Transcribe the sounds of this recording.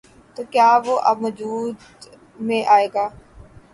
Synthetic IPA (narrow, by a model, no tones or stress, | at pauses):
t̪oːkjaːʋoːʔəbʋəd͡ʒuːd̪ | mẽʔaːeːɡaː